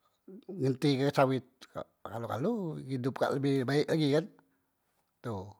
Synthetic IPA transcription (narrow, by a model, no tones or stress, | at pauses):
ŋənt̪ikəsawɪt̪̚ka̰ʔkaloka̰luidʊp̚ka̰ʔləbɪhbaɪʔlaɡikan | t̪u